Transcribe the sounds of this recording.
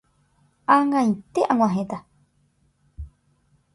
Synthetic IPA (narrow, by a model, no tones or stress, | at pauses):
aŋãjt̪eʔãŋw̃ʷãɦẽt̪a